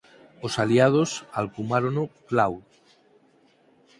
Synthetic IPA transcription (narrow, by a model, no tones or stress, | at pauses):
osaliað̞osalkumaɾonoklaw